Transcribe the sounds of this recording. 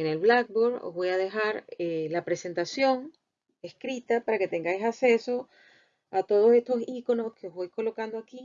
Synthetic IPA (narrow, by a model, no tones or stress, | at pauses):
ene̞lβlak̚boɾo̰zβo̞jaðe̞xaɾelapɾe̞se̞nt̪asjo̞ŋ | e̞skɾit̪apaɾake̞t̪e̞ŋɡajsase̞so̞ | at̪o̞ð̞o̞se̞st̪o̞siko̞no̞ske̞ozβo̞jko̞lo̞kand̪oaki